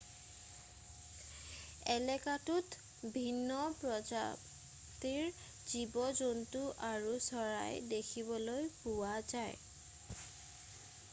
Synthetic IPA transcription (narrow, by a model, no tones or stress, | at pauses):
ɛlɛkatut | bʱinːɔpɹɔza̰b | tiɹ | zibɔzontuʔaɹusɔɹa̰jdekʰibɔlojpuwazaj